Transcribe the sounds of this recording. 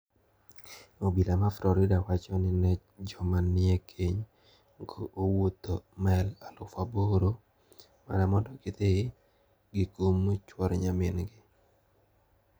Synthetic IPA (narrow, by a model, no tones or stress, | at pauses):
obilamafɾɔɾɪdawat͡ʃɔnɪnɛt͡ʃd͡ʒɔmanɪekʰeɲ | ŋɡoʔowot̪omɛlalʊfaboɾo | ma̰namɔndɔkɪt̪e | ɡɪkomt͡ʃwɔɾɲamɪnɡɪ